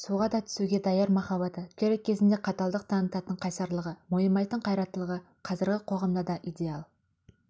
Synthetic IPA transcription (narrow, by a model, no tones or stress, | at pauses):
suʁɑd̪ɑt̪ʰʏ̥suɡʲe̞d̪ɑjɑɾmɑχɑβɑt̪əkʲʰeɾekʲʰːe̞zɪnd̪eqʰɑt̪ɑlˠd̪əq̚t̪ʰɑnət̪ɑt̪əɴqʰɑjsɑɾlˠəʁəmojəmɑjt̪əɴqʰɑjɾɑt̪əlˠəʁə | qʰɑzɪɾɡʲɪqʰo̞ʁɑmd̪ɑd̪ɑʔijd̪e̞ɑlˠ